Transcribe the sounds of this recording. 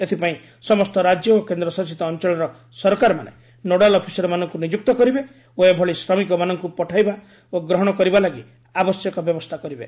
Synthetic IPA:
et̪ʰipaĩ | sɔmɔst̪ɔɾad͡ʒjɔokend̪ɾɔsɔsit̪ɔːnt͡ʃɔɭɔɾɔ | sɔɾɔkaɾɔma̰nḛ | noɽalɔpʰi̥sɔɾɔmanɔŋkunid͡ʒuk̚t̪ɔkɔɾibe | oebʱɔɭisɾɔmikɔmanɔŋkupɔʈʰajba | oɡɾɔɦɔɽ̃ɔkɔɾibalaɡi | abɔsjɔkɔbjɔbɔst̪ʰakɔɾibḛ

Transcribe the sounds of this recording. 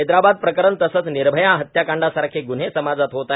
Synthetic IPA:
ed̪ɾabad̪̚pɾəkəɾənt̪əsət͡sniɾbʱəjãɦət̪jakaɳɖasaɾkʰeɡun̤ɦesəmad͡zat̪ɦot̪a

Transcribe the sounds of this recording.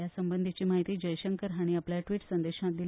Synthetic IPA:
jasəmbənd̪ʱit͡ɕiːmaɦit̪iːd͡ʑəjɕəŋkəɾɦaɽ̃iapljaʈʋiːʈsənd̪eɕãt̪̚d̪i

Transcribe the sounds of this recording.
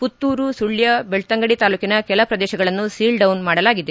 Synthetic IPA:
put̪ːuːɾusuɭːjɐbeɭt̪ɐŋɡɐɽit̪aːluːkinɐkɛlɐpɾɐd̪ɛːʃɐɡɐɭɐnːusiːlɖɐwnmaːɽɐlaːɡid̪e

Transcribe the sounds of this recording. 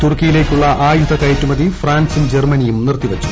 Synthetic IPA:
t̪urkːijile̞ːkʲːuɭːɐʔaːjud̪ʱɐkɐjtːumɐðifraːnsumd͡ʑermɐnijumnirt̪ːiʋɐt͡ɕːu̥

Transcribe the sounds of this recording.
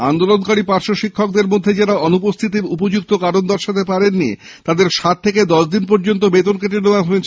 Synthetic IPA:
and̪olonkaɾipaɾʃoʃikʰːok̚d̪eɾmod̪ʱːed͡ʑaɾaɔnup̬ost̪ʰit̪̬iɾupod͡ʑukt̪okaɾond̪aɾʃat̪ʰepaɾenːḭ | t̪ad̪eɾʃat̪̚ʰːeked̪ɔʃd̪inpɔɾd͡ʑont̪̬obet̪onkeʈ̬eɾnoabʱmet͡ɕʰ

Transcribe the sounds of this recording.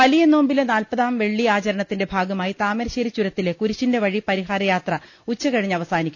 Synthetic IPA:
ʋɐlijɐno̞ːmbilenaːlpɐðaːmʋe̞ɭːiaːt͡ɕɐɾɐɳɐt̪ːinde̞bʱaːɡɐmaːjit̪aːmeɾɕeːɾit͡ɕːuɾɐt̪ːilekuɾiɕːinde̞ʋɐɻipɐɾiɦaːɾɐjaːt̪rɐ | ut͡ɕːɐkɐɻiɲːɐʋɐsaːnikʲːum

